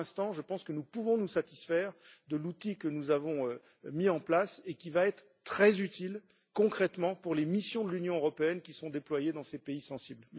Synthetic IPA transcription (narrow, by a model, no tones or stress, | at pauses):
ɛ̃st̪ɑ̃ʒəpɑ̃skənupuvɔ̃nusat̪i̥sfɛʁd̪əlut̪ikənuzavɔ̃ø | miɑ̃plasekʲivaɛt̪χ | t̪χɛzyt̪ʰil | kɔ̃kχɛt̪mɑ̃puʁlemisjɔ̃d̪əlynjɔ̃øʁɔpeɛnkʲisɔ̃d̪eplwajed̪ɑ̃sepeisɑ̃sibl